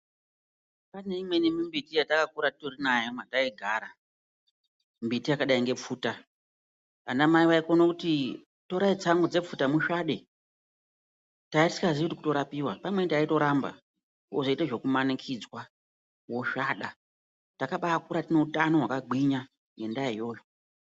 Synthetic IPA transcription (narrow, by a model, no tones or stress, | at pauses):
pane̞imwe̞nimimbitijatakakuɾatitorinajomataiɡʱaːɾa | mbitijakaɗaiŋɡe̞p͡fuːta | anamaiʋaikonokuti | to̞ɾait͡saŋɡod͡ze̞p͡futamuʃaɗe̞ | taiti̥saziutikuto̞ɾapiwapamwentaito̞ɾamba̰ | oʐoiteʐe̞kumanikʰid͡zwa | woʃaːɗa | takaɓaːkuɾatine̞utano̞wakaɡʱiɲa | ŋɡe̞ndajo̞ːjo̞